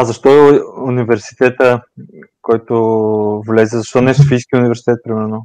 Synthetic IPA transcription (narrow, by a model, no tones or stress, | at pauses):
azɐʃt̪ɔɛunivɛɾsi̥t̪ɛt̪ə | kɔjt̪ovlɛzɛzɐʃt̪ɔnɛsofiskʲiʊnivɛɾsi̥t̪ɛt̪̚pɾimɛɾno